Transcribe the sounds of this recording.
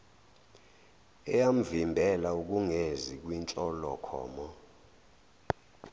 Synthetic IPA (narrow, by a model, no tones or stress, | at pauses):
ɛjam̩vimbʱɛlauk̬uŋezik̬wint͡ʃʼɔlɔkʰɔ̰ːmɔ